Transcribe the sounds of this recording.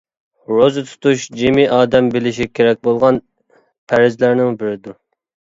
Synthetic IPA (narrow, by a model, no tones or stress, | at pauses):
ɾozɨt̪ʰu̥t̪uʃd͡ʒimiʔɑːd̪ɛmbɪlɪʃ̬ikʲʰeɾɛk̚ʲbolˠʁɑn | pʰæɾɪzlæɾnɪŋbɪɾɪd̪u